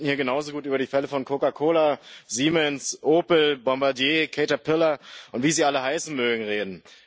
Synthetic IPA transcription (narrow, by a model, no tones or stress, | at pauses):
hiːɐɡənaʊzoɡuːtyːbɐdiːfɛləfɔnkʰokakʰoːlaziːmɛnsʔoːpl̩bɔmbaɐdjeːkʰeɪtɐpʰɪlɐʔʊntv̥iːziːʔaləɦaɪsn̩møːɡŋ̩ʁeːdn̩